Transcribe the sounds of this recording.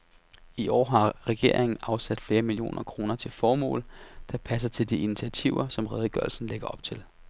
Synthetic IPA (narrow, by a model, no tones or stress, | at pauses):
iʔɒ̰ːɦɑ̈ʁɛɡ̥e̝ɐ̰eŋn̩ɑ̈ʊsæd̥fle̝ːɐmilio̝̰ːnʔɐkʰʁo̝ːnɐt͡sʰe̝lfɒːmɔ̰ːld̥ɑ̈pʰæs̬ɐt͡sʰe̝ld̥iinit͡sʰiæt͡sʰiʊɐsɒ̽mʁɛːð̞ˠɡ̥ɶɐlsn̩leɡ̥ɐɒ̽b̥̚t͡sʰe̝l